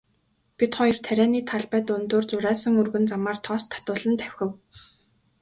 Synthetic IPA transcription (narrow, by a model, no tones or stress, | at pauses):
pit̪χɔjɪ̆rt̪ʰæɾʲæːniːt̪ʰaɮpæːt̪ʊnt̪oːrt͡sʊɾæːsə̆ŋɵrɣɵ̆nt͡samaːrt̪ʰɔːst̪ʰːḁt̪ʊːɮə̆nt̪ʰæw̥ʲxʲɘ̆w